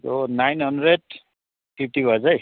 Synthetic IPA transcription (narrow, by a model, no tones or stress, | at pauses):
tonajnɦʌndɾeɖ̚ | pʰip̚ʰʈibʱʌd͡zaj